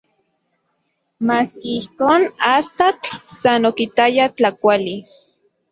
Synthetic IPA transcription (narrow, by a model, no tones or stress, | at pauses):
maːskiihkoːnast̪at͡ɬsanokit̪ajat͡ɬakʷali